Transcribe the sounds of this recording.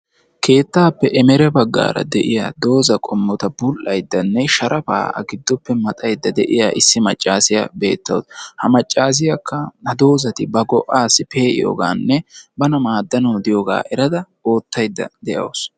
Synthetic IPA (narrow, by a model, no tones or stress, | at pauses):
kʰe̞ːt̪ːaːpːɛʔɛmɛɾɛbɐɡːa̰ːɾɐ̰d̪ɛʔɪja̰ːd̪o̞ːzɐkʼɔmːɔt̪ɐbʊlʔɐjd̪ːɐnːɛʃɐɾʔɐfa̰ːɐ̰ɡɪd̪ːɔpːɛmɐt̪ʼɐjd̪ːɐd̪ɛ̰ʔɪjaːʔɪsːɪmɐt͡ʃʼːaːsɪjɐbe̞ːt̪ːɐ̰wshɐmɐt͡ʃʼːaːs̬ɪjɐkʰːɐnɐd̪o̞ːzɐt̪ɪbɐɡɔʔaːsːɪpe̞ːʔɪ̰jo̰ːɡaːnːɛbɐnɐmaːd̪ːɐnɐwd̪ɪjoːɡa̰ːʔɛɾɐd̪ɐ | o̞ːt̪ːɐjd̪ːɐ̰d̪ɛʔɐ̰ws